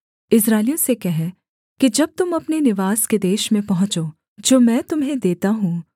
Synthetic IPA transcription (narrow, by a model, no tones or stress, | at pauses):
ɪs̬ɾaːlijõsekɛɦɛ | kid͡ʒɐb̚t̪ʊmɐpnenɪʋaːsked̪eːʃmẽpɐɦʊ̃t͡ʃoː | d͡ʒoːmɛ̃ːt̪ʊmɦẽd̪eːt̪aɦũː